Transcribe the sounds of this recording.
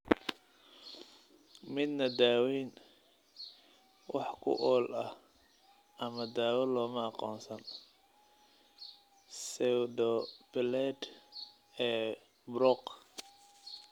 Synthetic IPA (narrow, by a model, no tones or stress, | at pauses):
mɪd̪nɐd̪aːwin | wʔɑħkʰʊ̰ʔɔːlʔɐh | ʔɐmɐd̪aːwɐlɔːmɐɑqɔ̰ːnsɐn | sɛwd̪ɔb̥ɪlɛd̪ | ɛː | bɾɔq